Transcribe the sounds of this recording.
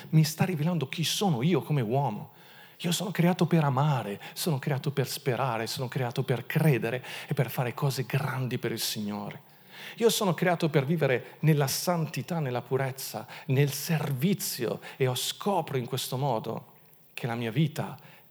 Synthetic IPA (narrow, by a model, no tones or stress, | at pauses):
mist̪arːiveland̪ok̟isoːnoiːokomewɔːmo̰ | iːosoːnokɾeaːt̪opeɾamaːɾesoːnokɾeaːt̪operspeɾʔaːɾesoːnokɾeaːt̪operkɾeːd̪eɾeepːerfaːɾekʰɔːzeɡɾand̪ipeɾilsiɲːo̰ːɾe | iːosoːnokɾeaːt̪operviːveɾenelːasant̪it̪anːelːapuɾet̪sːa̰nelservit̪sːjo̰eɔskʰɔːpɾoiŋkwest̪omɔːd̪o̰ | k̟ʰelamiːaviːt̪a̰